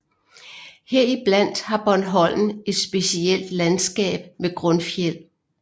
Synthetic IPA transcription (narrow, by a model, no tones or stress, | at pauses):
heɐ̰ib̥læn̰d̥hɑ̈b̥ɒnɦɒ̽l̰n̩e̝d̥sb̥e̝siel̰d̥lænsɡ̥ɛ̰ːb̥meɡ̥ʁɔ̽nfjel̰